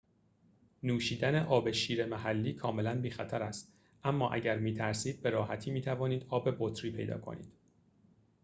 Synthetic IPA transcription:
nuːʃiːd̪æne̞ʔɒːbe̞ʃiːɾe̞mæhælːiːkʰɒːme̞lænbiːxæt̪ʰæɾæst̪ | ʔæmːɒ̰ːʔæ̰ɟæɾmiːt̪ʰæɾsiːd̪̥̚be̞ɾɒːhæt̪ʰiːmiːt̪ʰævɒːniːd̪̥ɒːbe̞bot̪ʰɾiːpʰe̞jd̪ɒ̰ːkʰo̰nḭːd̪̥

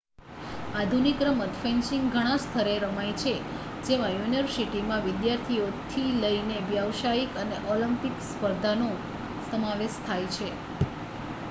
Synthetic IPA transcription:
ad̪ʱunikɾəmət̪feɲt͡ʃiŋɡɡʱəɽ̃ãst̪ʰəɾeɾəmajt͡ʃʰe | d͡ʒeʋajuniəɾsiʈimãʋɪd̪jaɾt̪ʰiot̪ʰiləineʋjaʋʃaikəneʔoləmpikspəɾd̪ʱano | səmaʋeʃt̪ʰajt͡ʃʰe

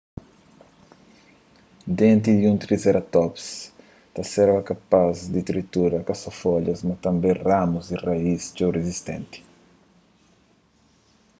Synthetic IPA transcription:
d̪ẽnt̪̬id̪iũnt̪ɾizeɾɐt̪ɔps | t̪ɐsɛɾvɐkapazd̪it̪ɾit̪uɾɐkasɔfɔʎɐzmɐt̪ɐ̃mbẽramuzd̪iraist͡ʃowrezist̪ḛ̃nt̪i̥

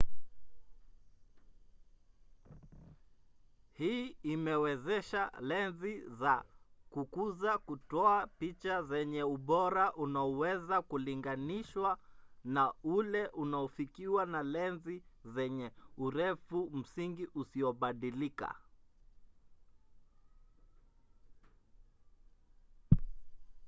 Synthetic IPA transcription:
hiːimɛwɛzɛʃalɛnzizakukuzakutɔapit͡ʃazɛɲɛuɓɔɾaʔunaɔwɛzakuliŋɡaniʃwanaulɛʔunaɔfikiwanalɛnzizɛɲɛuɾɛfum̩siŋɡiʔusiɔɓaɗilika̰

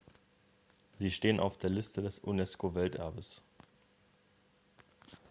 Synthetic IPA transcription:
ziːʃteːənʔa̰ʊfd̥eːɐlɪstʰədɛsʔunɛskovɛltʔɛɐbəs

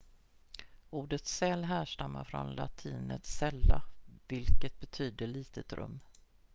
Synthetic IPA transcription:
uːɖət̪sɛlɦæːʂʈamːaɾfɾɔ̰nla̰t̪ʰiːnət̪sɛlːavɪlkət̪̚bɛt̪ʰyːd̪əɭiːt̪ət̪ɾɵ̰mː

